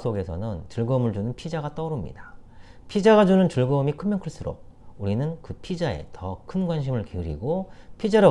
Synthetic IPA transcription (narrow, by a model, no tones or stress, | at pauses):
s͈ʰoɡe̞sʰʌnɯnt͡ɕɯɭɡʌmɯɭd͡ʑunɯnpʰid͡ʑaɣat͈ʌɾumɲḭda | pʰid͡ʑaɡad͡ʑunɯnt͡ɕɯɭɡʌmikʰɯnmjʌnkʰɯɭs͈uɾo̰k̚ | uɾinɯnkɯpʰid͡ʑae̞̰tʌkʰɯnɡwanɕ̬ʰimɯɭkiɾḭɡopʰid͡ʑaɾa